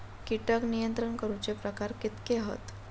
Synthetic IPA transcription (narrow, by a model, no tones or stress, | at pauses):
kiʈəknijənt̪ɾəɳkəɾut͡ɕepɾəkaɾkit̪keɦə̰t̪